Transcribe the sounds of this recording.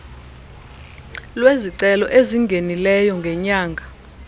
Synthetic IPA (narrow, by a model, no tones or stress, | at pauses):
lweziǀɛlɔ̰ʔeziŋɡʱenilɛjɔŋɡʱɛɲaːŋɡʱa